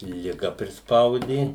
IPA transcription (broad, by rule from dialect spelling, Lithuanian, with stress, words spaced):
lʲɪˈɡɐ pʲrʲɪsˈpɐʊdʲeː